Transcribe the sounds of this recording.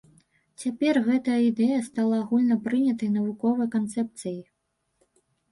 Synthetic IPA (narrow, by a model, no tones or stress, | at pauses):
t͡sʲapʲɛrɣɛt̪ɐjɐid̪ɛjɐst̪alˠaːɣulʲnɐpɾɨnʲɐt̪ɐjnɐvukɔvɐjkant̪sɛp̚t̪sɨji